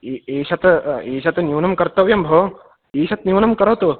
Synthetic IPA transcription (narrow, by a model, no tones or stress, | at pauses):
eːʃɐt̪eːʃɐt̪ɐnjuːnɐmkɐɾt̪ɐʋjɐmbʱo | eːʃɐt̪niuːnɐmkɐɾɐt̪u